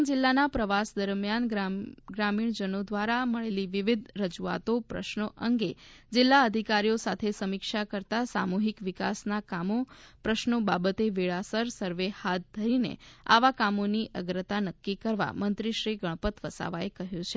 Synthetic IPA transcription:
d͡ʒɪlːanapɾəʋasd̪əɾmjanɡɡɾamiɳd͡ʒənod̪ʋaɾaməɭeliʋiʋid̪ʱɾəd͡ʒua̰t̪opɾə̰ʃnəʔəŋɡed͡ʒɪlːaəd̪ʱikaɾijosat̪ʰesəmikʃakəɾt̪asa̰muɦikʋikasnakamopɾəʃnobabət̪eʋiɭasəɾsəɾʋehat̪̚d̪ʱəɾinḛa̰ʋakamoniʔəɡɾət̪anəkːikəɾʋa̰mənt̪ɾiʃɾiɡəɭpət̪ʋəsa̰ʋaekəɦjũt͡ʃʰe

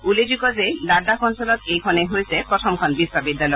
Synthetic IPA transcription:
uled͡ʑukɔzelad̪akɔnsɔlɔt̪ejkʰɔneɦojsepɾɔt̪ʰɔmkʰɔnbiswabid̪ːalɔj

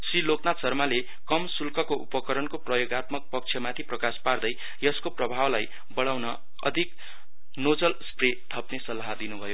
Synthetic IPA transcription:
siloknat͡sʌrmale | kʌmsulkʌkoʔupʌkʌɾʌnkoprʌjoɡat̪mʌk̚pʌk̚t͡ʃʰjʌmat̪ʰiprʌkaspard̪ʌj | jʌskoprʌbʱawlaj | bʌɽawnʌ | ʌ̰d̪ʱik | nod͡zʌlspret̪ʰʌpnesʌlaɦad̪inubʱʌjo

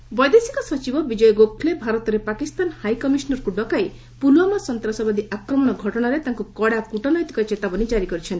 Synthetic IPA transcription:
bɔjd̪esi̥kɔsɔt͡ʃibɔbid͡ʒɔjɔɡokʰlebʱaɾɔt̪ɔɾepakist̪anhajkɔmisɔnɔɾɔkuɖɔkaj | puluamasɔnt̪ɾasɔbad̪iʔakɾɔmɔɽ̃ɔɡʱɔʈɔɽ̃aɾet̪aŋkukɔɽakuʈɔnɔjt̪i̥kɔet͡ʃet̪abɔnid͡ʒaɾikɔɾit͡ʃʰɔnt̪i̥

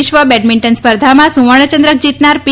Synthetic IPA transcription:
ʃʋəbɛʈmiɳʈənspəɾd̪ʱamãsũʋəɳ̃ət͡ʃə̃nd̪ɾək̚d͡ʑit̪naɾp

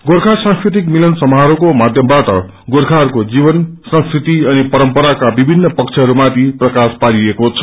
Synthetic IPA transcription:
ɡorkʰasãŋskɾit̪ikmilʌnsʌmɦaɾokomad̪ʱjʌmbaʈʌ̰ | ɡorkʰarkod͡zibʌnsʌ̃ŋskrit̪iʌnipʌɾʌmpʌɾakabibʱinːʌpʌkt͡sʰeɦʌɾumat̪ʰiprʌkaspaɾiekot͡sʰʌ̥

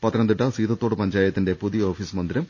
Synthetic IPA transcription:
pɐt̪ːɐɾnɐnd̪iʈːɐsiːðɐt̪ːo̞ːɽɨpɐɲd͡ʑaːjɐt̪ːinde̞puðijɐoːfiːsmɐnd̪iɾɐm

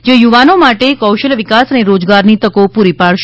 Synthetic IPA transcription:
d͡ʒejuʋanomaʈekəwʃəlʋɪkasəneɾod͡ʒɡaɾnit̪əkopuɾipaɭʃ

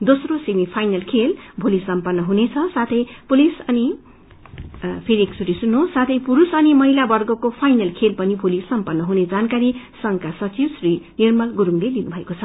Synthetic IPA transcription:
d̪osrosemipʰajnʌlkʰelbʱulisʌmpʌnːʌɦunet͡sʰʌsat̪ʰʌjpulisʌni | pʰeɾiekt͡sʰuɾisunːosat̪ʰʌjpuɾusʌnimʌɦilabʌrɡʌkopʰajnʌlkʰelpʌnibʱulisʌmpʌnːʌɦuned͡zankaɾisʌŋkasʌt͡sibsrinirmʌlɡuɾuŋledinubʱʌekot͡sʰʌ

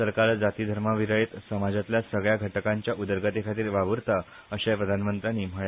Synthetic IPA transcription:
səɾkaɾd͡zat̪iːd̪ʱəɾmaʋiɾəjet̪səmad͡zat̪ljasəɡɭjaɡʱəʈəkãɲt͡ɕjaʔud̪əɾɡat̪ekʰat̪iːɾʋaʋəɾt̪a | əɕapɾəd̪ʱanmənt̪ɾaniːm̤əɭa

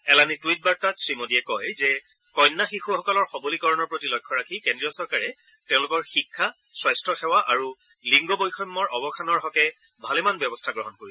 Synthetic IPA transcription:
ɛlanitwit̚baɹtasɹimodiɛkɔjzɛ | kɔjnːaxixuxɔkɔlɔɹxɔbolikɔɹɔnɔɹpɹotilɔjkʰːɔɹakʰikendɹiɔsɔɹkaɹɛ | tɛ̃ʊ̃lʊkɔɹxikʰːa | swɔjstɹɔxɛwaʔaɹu | liŋɡɔbojxɔjmːɔɹɔbɔkʰanɔɹɦɔkɛ | bʱalɛmanbjɔbɔstʰaɡɹɔɦɔnkoɹisɛ

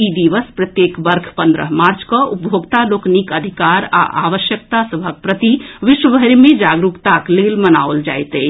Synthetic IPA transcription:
id̪iʋəspɾət̪jekbəɾkʰpənd̪ɾə̰ɦmaɾt͡ʃkəup̚bʱjoɡt̪aloknikəd̪ʱikaɾa̰ʔa̰ʋəʃjək̚t̪asəbʱək̚pɾət̪iʋiʃwəbʱəɾmed͡ʒaɡɾukt̪aklelməna̰old͡ʒa̰jt̪ɛ

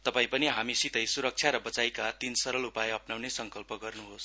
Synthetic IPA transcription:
t̪ʌpaĩpʌniɦamisit̪ʌjsuɾʌk̚t͡ʃʰjaɾʌbʌt͡sajkat̪insʌɾʌlupajʌpnawnesʌŋkʌlpʌɡʌrnuɦos

